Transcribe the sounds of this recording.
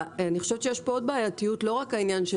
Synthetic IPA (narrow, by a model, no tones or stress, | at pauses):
aniχo̞ʃevet̪ʃejeʃpood̚baajatijutlo̞ʁakainjanʃe